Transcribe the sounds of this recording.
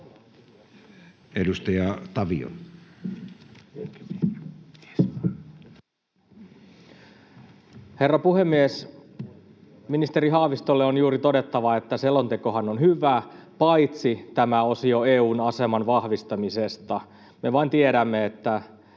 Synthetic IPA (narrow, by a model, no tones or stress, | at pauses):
edust̪ɑjɑt̪ɑʋḭo̰n | he̞rːɑpuhemːies | minist̪e̞ɾiɦɑhʋist̪o̞lːeonjuːɾit̪o̞det̪ːɑʋɑe̞t̪ːæselːo̞nt̪e̞ko̞ɦɑnonhyʋˑæːpɑit̪sit̪æmæo̞sio̞eːuːnɑse̞mɑnʋɑhʋist̪ɑmisest̪ɑ | me̞ʋɑint̪ieɾæmːeet̪ːæ